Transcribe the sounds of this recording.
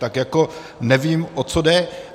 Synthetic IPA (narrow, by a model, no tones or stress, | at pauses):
t̪akjako̞ | nɛviːmʔot͡sodɛ